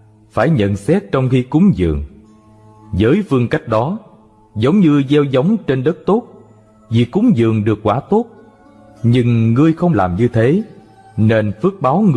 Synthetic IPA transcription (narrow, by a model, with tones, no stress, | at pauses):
faː˧˩jɲə̰˧˨nsɛ˦˥t̚t͡ɕɔ˧wŋ͡mxi˧kʊ˨˦ŋ͡mzɨ̰˨˩˨əŋ | zəː˨˦jfɨ˧əŋka˦˥jk̟̚ɗɔ˨˦ | zə˨˦wŋ͡mɲɨ˧zɛ˧wzə˨˦wŋ͡mt͡ɕe˧nɗə˦˥t̚t̪o˦˥t̚ | vi˨˩kʊ˨˦ŋ͡mzɨ̰˨˩əŋɗɨ˨˩ək̚ːwaː˧˩t̪o˦˥t̚ | ɲɨ˧ŋːɨ˧əjxə˧wŋ͡mlaː˨˩mɲɨ˧t̪ʰe˨˦ | ne˧nfɨ˦˥ək̚ɓaː˨˦wŋ˧